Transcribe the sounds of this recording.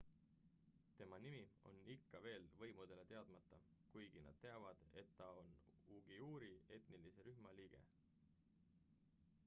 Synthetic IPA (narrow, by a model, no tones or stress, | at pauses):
t̪e̞mɑnimio̞̰nikːɑve̞ːlvɤ̞jmud̪̥e̞le̞t̪e̞ɑd̪̥mɑt̪ːɑkujɡ̥inɑ̰d̪̥̚t̪e̞ɑvɑd̪̥e̞t̪ːɑo̞nuɡ̥iuːɾie̞t̪nilise̞ɾyhmɑliːɡ̥e̞̰